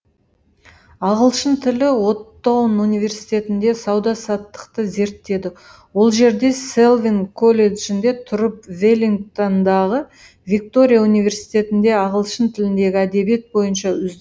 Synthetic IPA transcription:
ɑʁəlˠʃənt̪ʰɪlɪwo̞t̪ːɑwənunijvʲe̞ɾsi̥jt̪e̞t̪ɪnd̪e̞sɑwd̪ɑsɑt̪ːə̥qt̪əze̞ɾt̪ːe̞d̪ɪ | wo̞lˠʒe̞ɾd̪e̞se̞lˠvinkʰo̞lʲe̞d̪ʒɪnd̪e̞t̪ʰʊɾəp̚vʲelʲiŋt̪ond̪ɑʁə | vʲik̚t̪o̞ɾʲijaunijvʲe̞ɾsi̥jt̪e̞t̪ɪnd̪e̞ɑʁəlˠʃənt̪ʰɪlɪnd̪e̞ɡʲɪæd̪e̞bije̞t̪̚bo̞jənʃɑʏzd̪

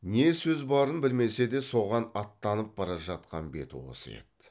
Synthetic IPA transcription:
ne̞sɵzbɑɾənbɪlme̞se̞d̪e̞so̞ʁɑnɑt̪ːɑnəp̚bɑɾɑʒɑt̪̚qɑ̰nbe̞̰t̪ṵwo̰sə̰jḛt̪

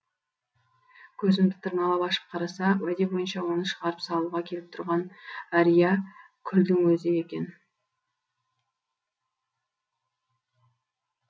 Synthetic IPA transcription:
kʲʰɵzɪmd̪ɪt̪ʰəɾnɑlˠɑpɑʃə̥p̚qʰɑɾɑsɑwæd̪e̞bo̞jənʃɑwo̞nəʃəʁɑɾəpsɑlˠuʁɑkʲʰe̞lɪp̚t̪ʰʊ̰ɾʁɑnæɾijɑ | kʲʰʏld̪ɪŋwɵzɪje̞kʲe̞n

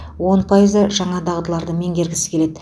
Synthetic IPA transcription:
wo̞npʰɑjəzd̪ɑʒɑɴɑd̪ɑʁd̪əlˠɑɾd̪əme̞ŋɡʲe̞ɾɡʲɪsɪ̥kʲʰe̞le̞d̪ɪ

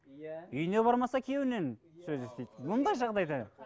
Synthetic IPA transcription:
ʏjne̞bɑɾmɑsɑkʲʰe̞wɪne̞n | søzest̪ejd̪ɪbʊnd̪ɑjʒɑʁd̪ɑjd̪ɑ

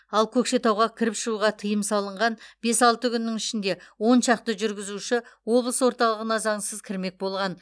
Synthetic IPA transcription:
ɑlˠkʲʰɵkʃe̞t̪ɑwʁɑkʲʰɪɾɪpʃəɾuʁɑt̪ʰəjəmsɑlˠəɴʁɑnb̥e̞sɑlˠt̪əkʲʰʏnːɪŋɪʃɪnd̪e̞wo̞nʃɑq̚t̪əʒʏɾɡʲɪzuʃɪwo̞blˠəswo̞ɾt̪ɑlˠəʁənɑzɑɴsəzkʲʰɪɾme̞k̚bo̞lˠʁɑn

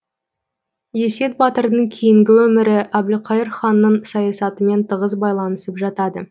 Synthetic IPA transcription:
je̞se̞t̪̚bɑt̪əɾd̪əɴkʲʰejɪŋɡʲɪwɵmɪɾɪʔæblɪqʰɑjəɾχɑnːəɴsɑjɑsɑt̪əme̞nt̪ʰəʁəzbɑjlˠɑnəsəpʒɑt̪ɑd̪ə

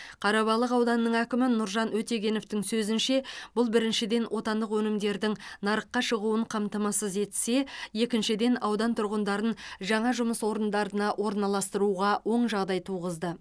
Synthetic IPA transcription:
qʰɑɾɑβɑlˠəqɑwd̪ɑnːəɴækʲɪmɪnʊɾʒɑnwɵt̪e̞ɡʲe̞no̞ft̪ɪŋsɵzɪnʃe̞b̥ʊlˠbɪɾɪnʃɪd̪e̞nwʔo̞t̪ɑnd̪əqwɵnɪmd̪e̞ɾd̪ɪŋnɑɾəqːɑʃəʁuəɴqʰɑmt̪ɑmɑsəze̞t̪se̞je̞kʲɪnʃɪd̪e̞nɑwd̪ɑnt̪ʰʊɾʁənd̪ɑɾənʒɑɴɑʒʊməswo̞ɾənd̪ɑɾənɑwʔo̞ɾnɑlˠɑst̪əɾuʁɑwʔo̞ɴʒɑʁd̪ɑjt̪ʰuʁəzd̪ə

